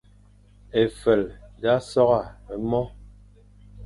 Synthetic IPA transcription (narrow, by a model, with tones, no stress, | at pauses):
e˨fə˨lda˦sɔ˦ɣa˦˨ə˨mɔ˦